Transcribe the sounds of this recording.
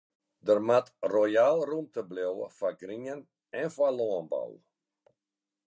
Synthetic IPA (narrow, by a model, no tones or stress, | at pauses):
dərmatrojalˠrumtəblowə̰faɡriɲən | ɛnfalɔːənbɔ̰w